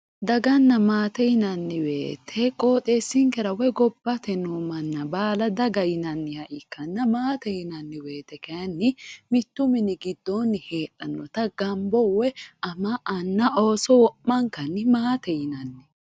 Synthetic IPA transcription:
d̪ɐɡɐnːɐmaːt̪ɛjɪnɐnːɪwe̞̰ːt̪ʰːɛkʼo̞ːt̪ʼeːsːɪŋkɛɾɐwɛɡɔbːɐt̪ɛnuːmɐnːɐbaːlɐd̪ɐɡɐjɪnɐnːɪhɐʔɪkːɐnːɐmaːt̪ɛjɪnɐnːɪwe̞ːt̪ːɛkɐjɐnːɪmɪt̪ːʊmɪnɪɡɪd̪ːonːɪheːᶑɐnːɔt̪ɐɡɐmbɔwɛɐmɐʔːnːɐʔo̞ːsɔwɔʔmɐŋkɐnːɪmaːt̪ɛjɪnɐnːɪ

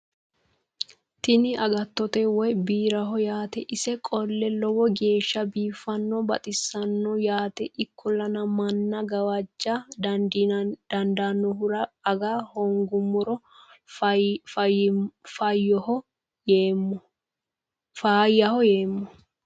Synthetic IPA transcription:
t̪ɪnɪʔɐɡɐt̪ːɔt̪ɛwɔjbiːɾɐɦɔjaːt̪ɛʔɪsɛkʼɔlːɛlɔwɔɡe̞ːʃːɐbiːfːɐnːɔbɐ̰t̪ʼɪsɐnːɔjaːt̪ɛʔɪkʰːɔlːɐnɐmɐnːɐɡɐwɐd͡ʒːad̪ɐnd̪inɐd̪̥ɐnd̪anːɔhʊɾɐɐɡahɔŋɡʊmːɔɾɔ | fɐfɐjːɔhɔ | eːm | faːjɐhɔjeːmːɔ

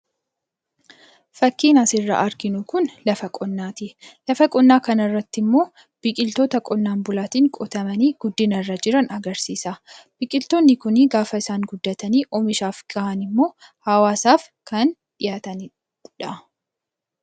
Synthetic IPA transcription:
fɐkːiːnɐsɪrːɐ̰ʔɐɾɡɪnʊkʊnlɐfɐkʼɔnːaːt̪ɪlɐfɐkʼɔnːaːkɐnɐrːɐt̪ːɪmːo̞ː | b̥ɪkʼɪlt̪oːt̪ɐkʼɔnːaːnbʊlaːt̪iːŋkʼɔt̪ɐmɐniːɡ̥ʊd̪ːɪnɐrːɐd͡ʒɪɾɐnɐɡɐɾsiːsɐb̥ɪkʼɪlt̪oːnːɪkʊnɪɡaːfɐɪsaːŋɡʊd̪ːɐt̪ɐniːʔɔmɪʃaːfɡ̥ɐʔɐnɪmːo̞ːhɐwaːsaːf | kɐnᶑɪjaːt̪ɐn | ᶑɐ

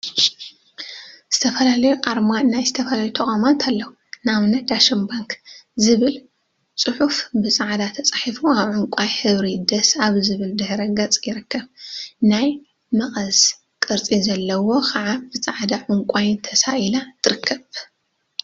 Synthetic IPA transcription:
z̥ɨt̪ʰɐfɐlalɐjuʔʼaɾmanajzɨt̪ʰɐfɐlaajut̪ʰɐkʼamant̪ʰalːɐwu | naβnɐd̪aʃɐnbaŋkzɨβɨl | t͡sʼɨħufbɨt͡sʼaʕd̪at̪ʰɐt͡sʼaħifuaβʕʊŋkʷʼajħɨβɾid̪ɐsaβzɨβɨld̪ɨħɾɐɡɐt͡sʼjɪɾɨkːɐβnaj | mɐχʼɐz | kʼɨɾt͡sʼizɐlːɐwo̞kʰɐʕabɨt͡sʼaʕd̪aʕʊŋkʷʼajnt̪ʰɐsaʔjilat̪ʰɨɾɨkʰːɐβ

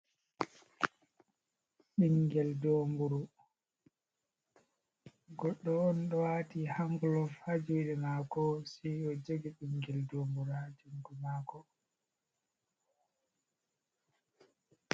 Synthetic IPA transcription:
ɓiŋɡɛldoːmbuɾu | ɡɔɗːɔːnɗɔwatihaŋɡulɔfhad͡ʒuwɗɛmakɔsiɔd͡ʒoɡiɗiŋɡɛldoːmbuɾad͡ʒuŋɡumakɔ

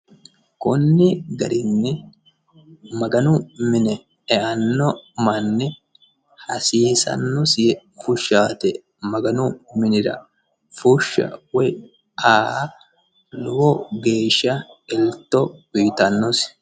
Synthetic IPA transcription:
kʊnːɪɡɐɾɪnːɪ | mɐɡɐnʊmɪnɛ | ɛʔɐnːɔmɐnːɪ | hɐsiːsɐ̰nːɔsɪjɛfʊʃːaːt̪ɛ | mɐɡɐnʊmɪnɪɾɐ̰ | fʊʃːɐ̰wɛj | aː | lʊwɔɡe̞ːʃːɐɛlt̪ːɔwiːt̪ɐnːɔs

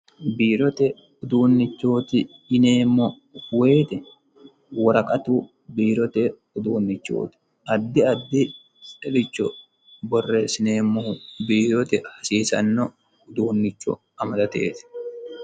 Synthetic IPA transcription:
biːɾɔt̪ɛ | ʊd̪uːnːɪt͡ʃːo̞ːt̪ɪːne̞ːmːɔ | we̞ːt̪ɛ | wɐɾɐkʼɐt̪u | biːɾɔt̪ɛ | ʊd̪uːnːɪt͡ʃːo̰ːt̪ɪ̥ | ɐd̪ːɪɐd̪ːɪ | sɛlɪt͡ʃːɔ | bɔrːe̞ːsɪneːmːɔbiːɾɔt̪ɛhɐsiːsɐ̰nːɔ | ʊd̪uːnːɪt͡ʃːɔ̰ | ɐmɐd̪ɐt̪e̞̰ːt̪ɛ̥

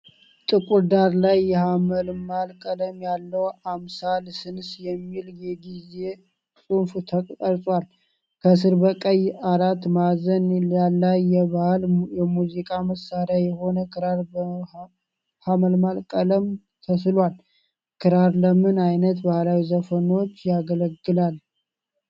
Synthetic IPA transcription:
t̪ʼɨkʼud̪aɾlajːɛhaməlmalkʼələmjalːəwamsalsɨnsjɛmːiljɛɡize | sʼunft̪ʰəkʼəɾsʼwal | kʰəs̬ɨɾbəkʼəjaɾat̪mazənalːajːɛβahljɛmuzikʼaməsːaɾjajɛho̞nəkʰɨɾaɾb | haməlmalkʼələm | t̪ʰəslwal | kʰɨɾaɾləmɨnajnət̪bahlawizəfəno̞t͡ʃːjaɡələɡːɨlal

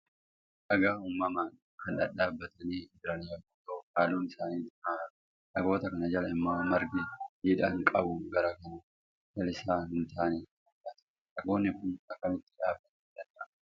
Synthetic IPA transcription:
ʔɐɡaːumːɐmaːn | kɐnᶑɐᶑaːbːɐt̪ɐniːd͡ʒɪɾɐnɪjɐɡʊt̪ːoːkaːluːnɪsaːniːaː | ᶑɐɡo̞ːt̪ɐkɐnɐd͡ʒɐlɐɪmːaːmɐɾɡɪdiːᶑɐŋkʼɐbʊɡɐɾɐkɐnɐ | d͡ʒɐlɪsaːhɪnt̪ʰaːniː | ɐbɐt̪ɐ̥ | ᶑɐɡo̞ːnːɪkʊnɐkːɐmɪt̪ːɪ̥ᶑaːbːɐt̪ɛᶑɐnᶑɐ

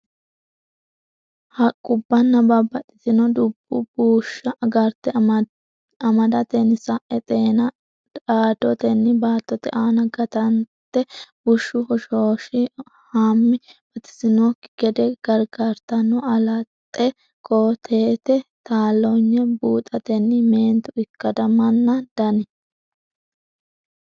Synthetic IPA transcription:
hɐkʼʊbːɐnːɐbabɐt̪ʼɪ̥t̪ɪnɔd̪ʊbːʊbuːʃːɐɡɐɾt̪ɛ | ɐmɐd̪ɐt̪ɛnɪsɐʔɛt̪ʼeːnɐ | aːd̪ɔt̪ɛnːɪbaːt̪ːɔt̪ɛ̰ʔaːnɐɡɐt̪ɐnt̪ːɛbʊʃːʊhɔʃoːʃɪ | haːmːɪb̥ɐt̪ɪ̥sɪnoːkːɪ̥ɡ̥ɛd̪ɛɡ̥ɐɾɡaɾt̪ɐnːɔɐlɐt̪ʼːɛ | kʰoːt̪ʰeːt̪ɛt̪aːlːɔɲːɛbuːt̪ʼɐt̪ɛnːɪme̞ːnt̪ʊɪkːɐd̪ɐmɐnːɐd̪̥ɐnɛ

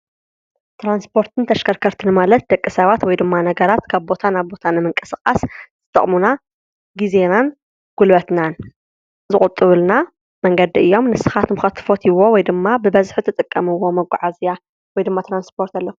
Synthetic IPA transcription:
t̪ɾanspʰo̞ɾt̪ʰɨnt̪ʰɐʃkʰɐɾkʰɐɾt̪ʰɨnmalɐt̪̚d̪ɐkʼːɨsɐβat̪wɔjd̪ɨmːanɐɡɐɾat̪kʰaβbo̞t̪ʰanaβbo̞t̪ʰanɨmɨŋkʼɨ̥sɨkʼaszɨt̪ʼɐ̰χʼmuna | ɡizenan | ɡ̥ulbɐt̪nan | zɨχʼut̪ʼːɨβɨlna | mɐŋɡɐd̪iɨjːo̞mnɨsɨxat̪mɨxɐt̪ʰːɨ̥fo̞t̪ʰiwo̞wɔjd̪ɨmːabɨbɐzħɨt̪ʰɨt̪ʼɨkʼːɐmɨwːo̞mɐɡʷːa̰ʕazija | wɔjd̪ɨmːat̪ɾanspʰo̞ɾt̪alːɐk

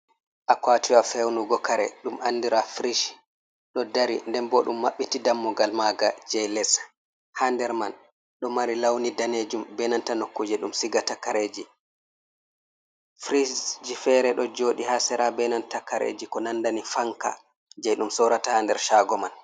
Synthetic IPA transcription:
ʔakwatiwafɛwnuɡɔkaɾɛ̰ɗumʔandiɾafɾiʃ | ɗɔdaɾindɛmbɔɗumːaɓːitidamːuɡalmaɡad͡ʒɛjlɛs | handɛɾman | ɗɔmaɾilawnidaned͡ʒumbɛnantanokːud͡ʒiɗumsiɡatakːaɾed͡ʒi | fɾid͡ʒifɛɾɛɗɔd͡ʒoːɗihasɛɾabɛnantakaɾḛːd͡ʒikɔnandanifaŋka̰ | d͡ʒɛjɗumsɔɾatahandɛɾʃaːɡɔman

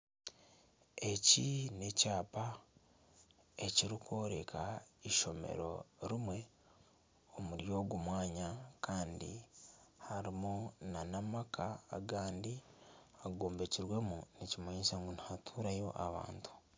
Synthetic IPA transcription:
e̞cine̞caːpa | e̞ciɾiko̞ːɾekʰaiʃo̞me̞̰ɾo̞̰ɾimwe̞ | o̞muɾjo̞ːɡumwaːɲakʰaːndḭhaɾimunanamakʰaːɡaːndiaɡoːmbe̞ciɾwe̞municimaɲisaŋɡunihatʰuːɾajo̞̰ʔaβa̰ːntʰu̥

